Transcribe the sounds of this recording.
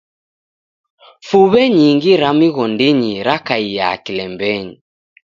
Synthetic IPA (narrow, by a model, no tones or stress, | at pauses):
fuβɛɲiŋɡiɾamiɣɔndiɲiɾakaija̰kilɛmbɛɲi